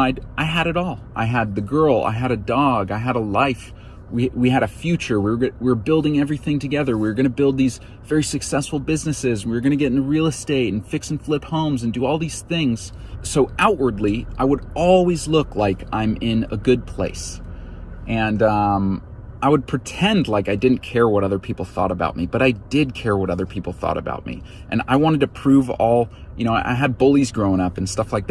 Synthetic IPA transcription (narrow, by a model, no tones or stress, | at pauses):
ɪdʔaɪɨɾɨɾɔlˠʔa̰ɪɨd̪̚ðɨɡɜ˞lˠa̰ɪɨɾɨdɔɡaɪɨɾəlaɪf | wiwiɨɾɨfjʉt͡ʃə˞wiwɪɹbɪlˠdɪ̃ŋɛvɹiθɪ̃ŋtʰɨɡɛðə˞wɪəɡʌñɨbɪlˠd̪̚ðiz | vɛɹisɨksɛsfl̩ˠbɪznɨsɪz̃n̩wɨɹɡʌñɨɡɛɾ̃n̩ɨɹilˠəsteɪɾn̩fɪksn̩flɪphõʊ̃mzɨ̃n̩dɨɔlˠðiz̥θɪ̃ŋz̥soʊaʊʔ̚wə˞dˡliʔaɪwəɾɔlˠwizlʊklaɪkã̰ɪ̃mɪ̃nə̰ɡʊd̚pʰl̥eɪs | ʔɨ̃nʌ̃m | ʔaɪwəd̚pʰɹ̥ɨtʰɛ̃ndˡlaɪkaɪdɪdⁿn̩kʰɛɹwʌɾʌðə˞pʰipl̩ˠθɔ̰ɾəba̰ʊt̚mib̥ʌɾaɪdɪd̚kʰɛɹwʌɾʌðə˞pʰipl̩ˠθɔ̰ɾɨ̰ba̰ʊt̚mḭ | ʔɨ̰̃na̰ɪwɑ̃ɾ̃ɨd̚tʰɨpʰɹ̥ʉvɔ̰lˠjɨñoʊʔa̰ɪɨd̚bʊlˠizɡɹõʊ̃ʌpn̩stʌflaɪk̚ð